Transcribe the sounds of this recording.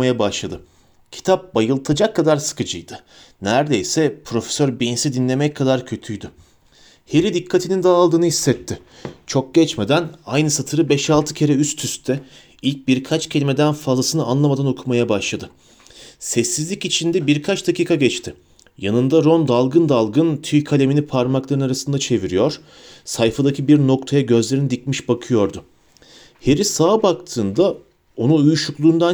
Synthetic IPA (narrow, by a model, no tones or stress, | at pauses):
ajabaʃlˠad̪ɯ | cʰi̥t̪ʰap̚bajɯlˠt̪ʰad͡ʒakʰːad̪aɾsɯ̥kɯd͡ʒɯjd̪ɯ | næɾd̪e̞jsɛpʰɾo̞fe̥søɾbinnsid̪inlʲe̞mɛckʰːad̪aɾcʰø̞t̪ʰyjd̪ʏ | heɾid̪ikʰːat̪ʰinind̪aːlˠd̪ɯːnɯhisːɛt̪ʰːɪ | t͡ʃʰo̞k̚ɟ̥ɛt͡ʃmed̪ænajnɯsat̪ʰɯɾɯbɛʃalˠt̪ʰɯcʰe̞ɾɛyst̪ʰyst̪t̪ʰɛ | ilʲc̚biɾkʰat͡ʃcʰe̞lʲime̞d̪ænfazlˠasɯnɯanlˠamad̪ano̞kʰumajabaʃlˠad̪ɯ | sɛsːizlʲicit͡ʃʰind̪ɛbiɾkʰat͡ʃd̪acʰiːkʰaɟɛt͡ʃt̪ʰɪ | janɯnd̪aɾo̞nd̪alˠɡɯnd̪alˠɡɯnt̪ʰyjkʰalʲe̞minipʰaɾmaklˠaɾɯnaɾasɯnd̪at͡ʃʰe̞viɾijo̞ɾ̥ | sajfad̪acʰibiɾno̞kt̪ʰajaɟø̞zlʲe̞ɾinid̪icmiʃbakʰɯjo̞ɾd̪ʊ | he̞ɾisaːbakt̪ʰɯːnd̪a | o̞nuujuʃuklˠuːnd̪a